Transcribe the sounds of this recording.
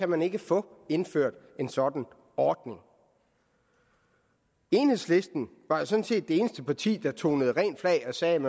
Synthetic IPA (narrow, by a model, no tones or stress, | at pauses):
æmæne̝ɡ̥əfɔ̰̽e̝nføɐ̰d̥ | e̝nsɒ̽d̥n̩ | ɒːd̥ne̝ŋ | e̝ːnhe̝sle̝sd̥n̩ | ʋɑ̈josɒ̽n̩se̝̰ːd̥̚ːe̝eːnəsd̥əpʰɑ̈t͡sʰḭːd̥ɑ̈t͡sʰo̝̰ːnəð̞̩ˠʁɛ̰ːnflɛ̰ɪɒ̽sɛːmæ